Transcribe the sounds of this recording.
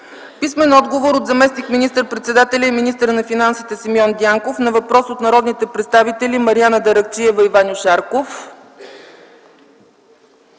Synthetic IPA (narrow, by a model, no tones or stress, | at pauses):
pismɛnɔd̪ɡovoɾod̪zɐmɛsnikminist̪əɾpɾɛt̪sɛd̪at̪ɛlʲɐiminist̪əɾnɐfinansit̪ɛsimjɔnd̪ʲiaŋkofnɐvɐpɾɔsot̪nɐɾɔd̪nit̪ɛpɾɛt̪st̪avit̪ɛlimɐɾianəd̪ɐɾɐkt͡ʃiɛvɐivanʲoʃaɾkof